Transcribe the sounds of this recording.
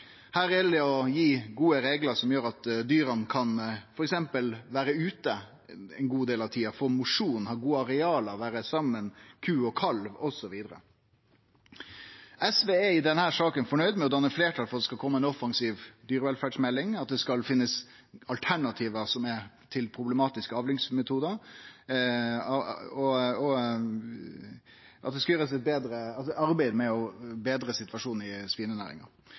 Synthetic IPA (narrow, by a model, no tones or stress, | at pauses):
hæːɾɛlæɔjiːɡuːəɾeːɡləɾsɔmjøːɾɑt̪d̪yːɾənkʰɑnfɔɾɛksɛmpəlʋæːɾəʉːt̪ə | ɛ̰nɡuːd̪eːlɑʋt̪ʰiːɑfɔɾmʊʂuːnhɑːɾɡuːɑɾɛɑːləɾʋæːɾəsɑmːənkʰʉːɔkʰɑlʋɔsɔʋiːd̪əɾə̰ | ʔɛsʋeːɛɪd̪ɛnhæːɾʂɑːkənfɔɳœʏd̪mɛɔd̪ɑnːəfleːʈʰɑlfɔɾɑt̪ːɛskɑlkʰɔmːəɛnɔfːɑŋsiːʋd̪yːɾəʋɛlfæːɖʂmɛlːɪŋɑt̪̚d̪ɛskɑlfɪnːəs | ɑlt̪ʰæɳɑt̪ʰiːʋəsɔmɛ | t̪ʰɪlpʰɾʊblɛmɑːt̪ɪskəɑːʋlɪŋsmɛt̪ʰuːd̪əɾ | ɑɔɔ | ʔɑt̪̚d̪ɛskɑjøːɾəsɛt̪̚beːd̪ɾəɑlsɔʔɑɾbæɪd̪mɛɔbeːd̪ɾəsɪt̪ʋɑʂuːn̩ɪspiːnənæ̰ːɾɪ̰ŋɑ̰